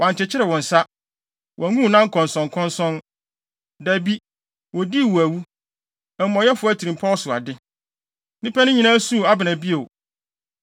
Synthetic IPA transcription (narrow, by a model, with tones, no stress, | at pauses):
wã˨n˨t͡ɕʰɪ˨t͡ɕʰɪ˦ɾɛ˨wɔ̃˨n̩˨sa˦ | wɔ˨æ˨ŋũ˦˨nã˦ŋ̩˦kʰɔ̃˨n˨sɔ̃˨ŋ˨kʰɔ̃˦nsɔ̃˦n | dæ˨bi˦ | wɔ˨di˦˨wu˨æ˨wu˦ | ɛ˨m˦mɔ̃˨jɛ˦fʊ˦æ˨tʰi˨ɾĩ˨mpʰa˦ɔ˦sʊ˨a̰˨dɪ˦ | nɪ̃˦pʰɛ˦nʊ̃˦ɲĩ˨nã˦sũ˦˨a˨bɪ˨nã˨bi˦o˨